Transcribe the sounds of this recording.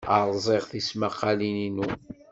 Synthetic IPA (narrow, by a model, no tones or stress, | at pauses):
aɾˤzˤeʁθismaqːɑlininu